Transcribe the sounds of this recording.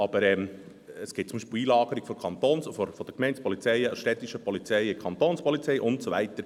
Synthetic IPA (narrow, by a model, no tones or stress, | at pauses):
ɑb̥əɾɛm | əsɡ̥ɪt̚t͡sʊmbiʃpɪliːlɑːɡ̥əɾiɡ̥fɔkʰɑnt̪oːnsɔfɔɾfɔd̥əkmɛɪnt͡spɔlit͡sɛɪəʃtɛt̪ːiʃəpʰɔlit͡sɛɪɪkʰɑnt̪oːnspɔlit͡sɛɪʔʊntsovɛ̰ɪt̪əɾ